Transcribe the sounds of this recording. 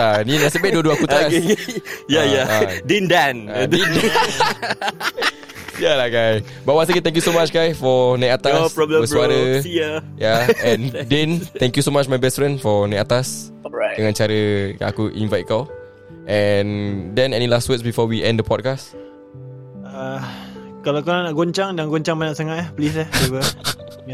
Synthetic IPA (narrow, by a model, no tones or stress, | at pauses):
aninasəbɛduəduakut̪as | jajadĩndɛ̃nadn | jalaɡajs | bawas̬əkit̪ɛ̃ŋk̬jusomat͡ʃɡajsfɔnaat̪aspɹɔblə̃bəsuaɾəijajaɛ̃ndɛ̃nɛ̃ŋkjusomat͡ʃmajbɛstfɹɛ̃ndfɔnãat̪as | dəŋãnt͡ʃaɾəa̰kuʔḭ̃nvajt̚kal | ʔɛ̃ndɛ̃nɛnĩlastwitsbifɔwiʔɛ̃ndəpʰɔd̚kas | a | kalakananaʔɡoɲt͡ʃaŋdaŋɡoɲt͡ʃaŋmanãʔsaŋat̪ahplisɛhebə